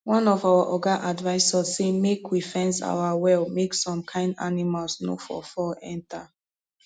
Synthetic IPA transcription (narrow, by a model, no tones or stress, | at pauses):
wɔ̃nɔvawaʔɔɡaʔadvaɪsassemekʰwifɛ̃nsa̰wawɛlmeksɔ̃mkʰãɪ̃nda̰nimalsno̰fɔ̰fɔlɛ̰̃ntʰa